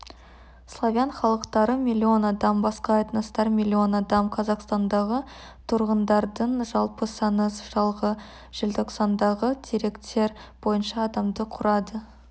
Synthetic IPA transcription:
slˠovʲjanχɑlˠəqt̪ɑɾəmʲilʲːio̞nɑd̪ɑmbɑsqɑːjt̪nɑst̪ɑɾmʲilʲːio̞nɑd̪ɑmqʰɑzɑqst̪ɑnd̪ɑʁət̪ʰʊɾʁənd̪ɑɾd̪əɴʒɑlˠpəsɑnəsʒ̥ɑlˠʁə | ʒ̥ɪlt̪ʰoqsɑnd̪ɑʁəd̪ʰeɾe̞kt̪ʰe̞ɾbo̞jənʃɑːd̪ɑmd̪əqʰʊɾɑd̪ə

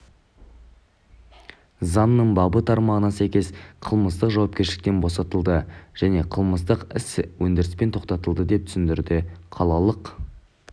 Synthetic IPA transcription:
zɑnːəɴbɑbət̪ʰɑɾmɑʁənɑsæjkʲe̞sqʰəlˠməst̪əqʒɑwɑp̚kʲeʃɪlɪk̚t̪e̞nbo̞sɑt̪əlˠd̪əʒ̥æne̞qʰəlˠməst̪əqɪswɵnd̪eɾɪspe̞nt̪ʰo̞qt̪ɑt̪əlˠd̪əd̪e̞p̚t̪ʰsɪnd̪ɪɾd̪ɪqʰɑlˠɑlˠəq

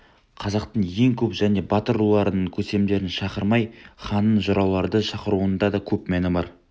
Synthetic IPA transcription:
qʰɑzɑqt̪əɴje̞ŋkʲʰɵpʒæne̞bɑt̪əɾulˠɑɾənəɴkʲʰɵse̞md̪e̞ɾɪnʃɑqəɾmɑjχɑnːənʒʊɾɑwlˠɑɾd̪əʃɑqəɾuənd̪ɑd̪ɑkʲʰɵpmænɪmɑɾ

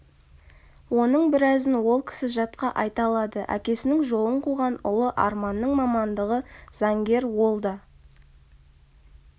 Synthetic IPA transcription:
wo̞nəɴbɪɾæzɪnwo̞lˠkʲʰɪ̥sɪʒɑt̪̚qɑʔɑjt̪ɑlˠɑd̪əʔæ̰kʲe̞sɪnɪŋʒo̞lˠəɴqʰuʁɑnʊ̰lˠəʔɑ̰ɾmɑnːəɴmɑmɑnd̪əʁəz̥ɑŋɡʲe̞ɾwo̞lˠd̪ɑ

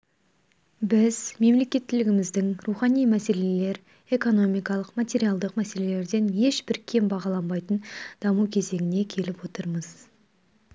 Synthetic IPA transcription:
bɪzme̞mle̞kʲe̞t̪ʰːɪlɪɡʲɪmɪzd̪ɪŋruχɑnijmæse̞le̞le̞ɾ | e̞ko̞no̞mijkɑlˠəqmat̪ʲe̞ɾijalˠd̪əqmæse̞le̞le̞ɾd̪e̞nje̞ʃbɪɾkʲʰe̞mbɑʁɑlˠɑnbɑjt̪ənd̪̥ɑmukʲʰe̞ze̞ŋʲɪne̞kʲʰe̞lɪpwo̞t̪əɾməz̥

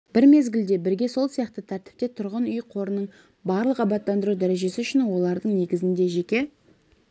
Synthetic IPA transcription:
b̥ɪɾme̞zɡʲɪld̪e̞bɪɾɡʲe̞so̞lˠsijɑqt̪ət̪ʰæɾt̪ɪ̥p̚t̪e̞t̪ʰʊɾʁənʏjqʰo̞ɾənəɴ | bɑɾlˠəqɑbɑt̪ːɑnd̪əɾud̪æɾe̞ʒe̞sɪʏʃɪnwo̞lˠɑɾd̪əɴne̞ɡʲɪzɪnd̪e̞ʒe̞kʲe̞

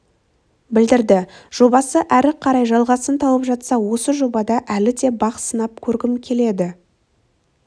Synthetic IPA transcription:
bɪld̪ɪɾd̪ɪʒ̥o̞bɑsəʔæɾɪqʰɑɾɑjʒɑlˠʁɑsənt̪ʰɑwəpʒɑt̪sɑwo̞səʒo̞bɑd̪ɑʔælɪd̪e̞bɑqsənɑp̚kʲʰɵɾɡʲɪmkʲʰe̞le̞d̪ɪ

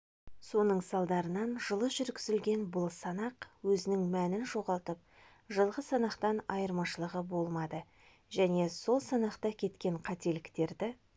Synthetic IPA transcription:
so̞nəɴsɑlˠd̪ɑɾənɑnʒəlˠəʒʏɾɡʲɪzɪlɡʲe̞nbʊlˠsɑnɑqwɵzɪnɪŋmænɪnʒo̞ʁɑlˠt̪əp̚ | ʒəlˠʁəsɑnɑqt̪ɑnɑjəɾmɑʃəlˠəʁəbo̞lˠmɑd̪ə | ʒæne̞so̞lˠsɑnɑqt̪ɑkʲʰe̞t̪kʲe̞ɴqʰɑt̪e̞lɪkt̪e̞ɾd̪ɪ

